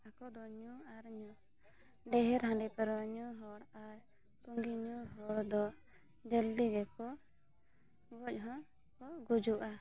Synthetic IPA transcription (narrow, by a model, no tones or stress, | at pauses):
akɔd̪ɔɲuaɾɲu | ɖɛɦɛɾɦãɳɖipɛɾɔɲɔɦɔɽaɾ | t̪uŋɡiɲuɦɔɽd̪ɔ | d͡ʒɛld̪iɡɛkɔ | ɡɔc̚ˀɦɔ̃ | kɔɡud͡ʒuʔa